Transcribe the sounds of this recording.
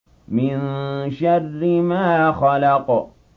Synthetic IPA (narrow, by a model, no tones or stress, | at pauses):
mɪnʃarːɪmaːxɑlɑq